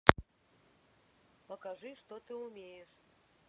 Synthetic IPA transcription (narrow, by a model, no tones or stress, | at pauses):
pəkaʐɨʂt̪ot̪ɨumʲejeʂ